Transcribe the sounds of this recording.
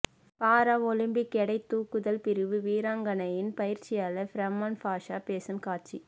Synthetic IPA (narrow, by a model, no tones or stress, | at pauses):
paːɾaːʋɔlɪmbɪkːɛɽɐɪt̪ːuːkːɯðɐlpɪɾɯʋɯʋiːɾaːŋɡɐnɐjɪnpɐjɪɾt͡ʃɪjaːlɐfɾɐmːaːnfaːʂaːpeːsɯmkaːt͡ʃi